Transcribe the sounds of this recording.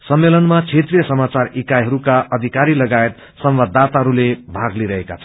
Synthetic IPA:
sʌmːelʌnmat͡sʰet̪rijʌsʌmat͡sarikajɦʌɾukaʔʌd̪ʱikaɾilʌɡaet̪ | sʌmbad̪ʱːat̪aɦʌɾulebʱaɡliɾʌɦeka̰t͡sʰʌ

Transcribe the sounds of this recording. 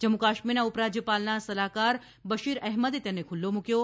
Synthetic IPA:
d͡ʒəmːukaːʃminaʊpɾad͡ʒjəpalnasəlakaɾ | bəʃiɾɛɦməd̪et̪ɛnekʰʊlːomʊkjo

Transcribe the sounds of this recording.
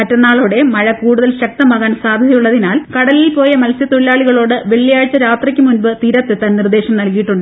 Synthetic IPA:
mɐtːɐnːaːɭoːɽe̞mɐɻɐkuːɽuðɐlɕɐk̚t̪ɐmaːɣaːnsaːd̪ʱɐðɐjuɭːɐðinaːlkɐɽɐlilpo̞ːjɐmɐlsjɐt̪uɭlːaːɭiɣɐɭo̞ːɽɨʋe̞ɭːijaːɻt͡ɕːɐɾaːt̪rɐkʲːɨmunbɨt̪iːɾɐt̪ːet̪ɐnnird̪e̞ːɕɐmnɐlkijiʈːuɳɖɨ

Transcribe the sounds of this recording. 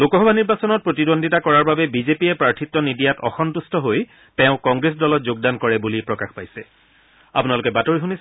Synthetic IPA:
lokɔɦɔbaniɹbasɔnɔt̚pɹotidondʱitakɔɹaɹbabɛbizepiɛpɹaɹtʰitːɔnidijatɔxɔntustʰɔɦoj | tɛʊ̃kɔŋɡɹes̬dɔlɔtzoɡ̚dankɔɹɛbulipɹɔkaxpajsɛ | apunalʊkɛbatoɹixunis

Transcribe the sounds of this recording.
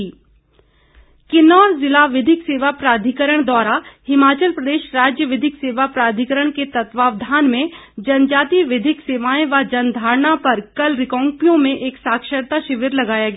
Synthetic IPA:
kɪnɔːɾzɪlaːʋɪd̪ʱɪkseːʋapɾaːd̪ʱɪkəɾəɽ̃d̪ʋaːɾahɪmaːt͡ʃəlpɾɐd̪eːʃɾaːd͡ʒjəʋɪd̪ʱɪkseːʋapɾaːd̪ʱɪkəɾəɽ̃ket̪ɐt̪ʋaːʋd̪ʱaːnmẽd͡ʒɐnd͡ʒaːt̪iʋɪd̪ʱɪkseːʋaːẽʋad͡ʒɐnd̪ʱaːɾɳapɐɾkɐlɾɪkɔ̃ːŋkjõmẽʔeːksaːkʃəɾt̪aʃɪʋɪɾlɐɡaːjaɡaː

